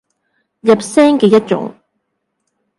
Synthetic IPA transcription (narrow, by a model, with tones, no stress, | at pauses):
jɐ˨p̚sɛː˥ŋkɛː˨˧jɐ˥t̚t͡ʃʊ̰˨˥ŋ